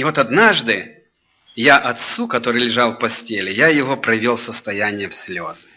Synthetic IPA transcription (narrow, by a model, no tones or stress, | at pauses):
ɪvo̞t̪ɐd̪naʐd̪ɨ | jaʔɐt̪sukɐt̪o̞ɾɨlʲɪʐɑlˠfpɐsʲtʲelʲɪjajɪvopɾɐvʲolˠsəst̪ɐjænʲɪjəfsʲlʲo̞zɨ